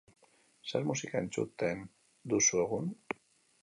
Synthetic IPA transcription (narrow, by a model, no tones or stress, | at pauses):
saɾmusikaḛnt͡ʃṵt̪ːeen | d̪usweɣun